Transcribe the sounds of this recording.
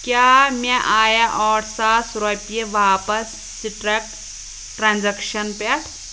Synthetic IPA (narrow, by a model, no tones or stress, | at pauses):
kjaːmeʔaːjaʔɔːɾsaːsɾopijeʋaːpɐsːiʈɾek̚ʈ | ʈɾaːnzɐkʃɐnpet̪ʰ